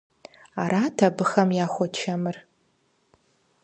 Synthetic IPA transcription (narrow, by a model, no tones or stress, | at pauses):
aɾatʰabɨxɐmjaːxʷɔt͡ʃʰamɨr